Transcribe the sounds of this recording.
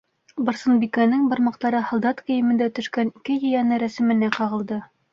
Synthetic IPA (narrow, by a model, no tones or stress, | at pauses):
bɤ̆ɾsɤ̆nbikænɘŋbɤ̆ɾmɑqt̪ɑɾɤhɑ̆lˠd̪ɑt̪kɵ̆jɘ̆mɘ̆nd̪æt̪ɵ̆ʃkænikɘjɤ̆jænɘɾæsɘ̆mɘ̆næqɑʁɤ̆lˠd̪ɤ